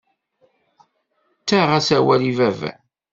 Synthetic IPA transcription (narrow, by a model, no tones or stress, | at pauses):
t͡sːæʁæsæwælivæv̰